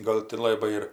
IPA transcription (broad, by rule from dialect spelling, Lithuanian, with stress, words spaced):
ˈɡɐlˠ tʲɪ ˈlˠɑːbɐɪ ɪr